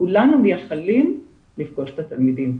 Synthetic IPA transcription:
kulanuvjeχalim | lifɡoʃt̪at̪almid̪im

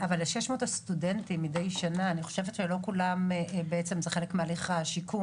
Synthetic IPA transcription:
avalːeʃeʃmotastudentimidejʃanaːniχo̞ʃevet̪ʃelo̞kulambeet͡se̞mzeχe̞lekmealiχaʃiku

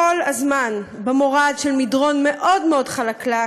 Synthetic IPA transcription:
olazmanbemo̞ʁadʃelmidʁo̞nmeʔo̞dmeo̞dχalakla

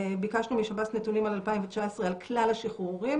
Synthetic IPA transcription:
bikaʃnumiʃabatnetunimalalpaimvet͡ʃaesʁealklalaʃiχuʁim

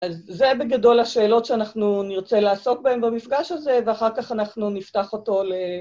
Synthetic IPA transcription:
ʔazːebe̞ɡado̞laʃe̞ːlo̞tʃeanaχnuniʁt͡selaːso̞k̚bahembamifɡaʃalze̞veaχaʁkaχanaχnuniftaχo̞to̞le

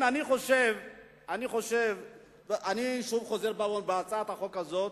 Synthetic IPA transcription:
naniχo̞ʃev | aniχo̞ʃev | ʔaniʃuvχo̞zeʁbalonbeat͡saat̪haχo̞kazo̞t̪

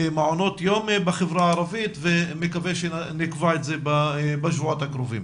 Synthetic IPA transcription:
maʕonot̪jombeχevɾaaɾavit̪vemekaveʃenikvaetzebabaʃvuot̪hakɾovim

